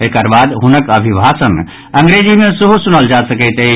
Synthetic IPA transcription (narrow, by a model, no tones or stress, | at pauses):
ekəɾbad̪ɦunəkəbʱibʱasən | ə̃ŋɡɾed͡ʒimẽsəɦusunəld͡ʒasəkəɪt̪e